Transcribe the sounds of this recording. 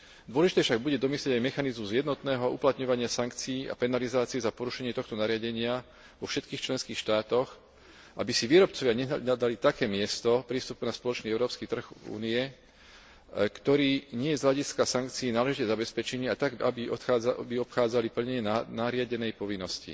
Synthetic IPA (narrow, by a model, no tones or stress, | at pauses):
d̪ʊɔlɛʒit̪ɛfʃaɡ̚buɟɛd̪ɔmisljɛɟajmɛxanizmuzjɛd̪nɔt̪nɛːɦɔʔṵplat̪ɲɔʋaɲɪasaŋkt͡siiːʔa̰pɛnalizaːt͡siɛzapɔɾuʃɛɲɪɛt̪ɔxt̪ɔnaɾɪaɟɛɲɪa | ʋɔfʃɛt̪kiːxt͡ʃlɛnskiːxʃt̪aːt̪ɔx | ʔabisiʋiːɾɔp̚t͡sɔʋɪaɲɛad̪alit̪akɛːmɪɛst̪ɔpɾiːst̪upunaspɔlɔt͡ʃniːɛʊɾɔːpskiːt̪r̩ɣṵːniɛ | kt̪ɔɾiːɲɪɛjɛzɦʎaɟiskasaŋkt͡siːnaːlɛʒicɛzabɛspɛt͡ʃɛɲiat̪aa̰biɔt̪xabiɔpxaːd͡zalipl̩ɲɛɛnanaɾɪaɟɛnɛjpɔʋinːɔscḭ